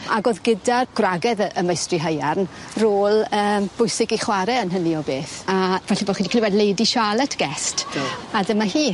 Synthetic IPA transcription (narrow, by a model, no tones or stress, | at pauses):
aɡoːðɡɪdarɡ̥raɡɛðəməjstriɦəjarnroːlˠəːmb̥ʊjsɪɡiχwaɾɛənɦəniɔbeːθavɛɬibɔχiːdikʰliwɛdlejdiʃalˠɛtʰɡ̥ɛstadɪmahiː